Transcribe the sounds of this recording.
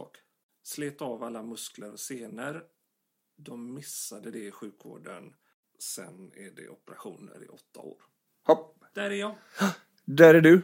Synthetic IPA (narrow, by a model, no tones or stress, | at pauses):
ɔ̰k | sleːt̪ɑːvalːamɵsklaɾɔseːnəɾ | d̪ɔmːɪsːad̪əd̪ɛɪɧʉ̟ːkvo̰ːɖə̰n | sɛ̰næɖɛ̰ʔɔpəɾaɧuːnə̰ɾɪ̰ʔɔt̪ʰːa̰o̰ːɾ | hɔp | d̪̥æɾæjɑːɡ | d̪æɾæɖɵ